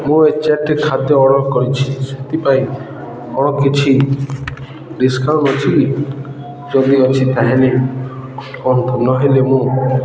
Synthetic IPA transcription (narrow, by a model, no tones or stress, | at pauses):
mũet͡ʃaʈekʰad̪jɔːɽ̃ɔkɔɾit͡ʃʰi̥set̪ipaĩ | ɔɽ̃ɔkːit͡ʃʰi | ɖiskaɾnɔt͡ʃʰi | d͡ʒɔd̪iɔt͡ʃʰit̪aɦeleɔ | ɔnt̪ɔnɔɦelemũ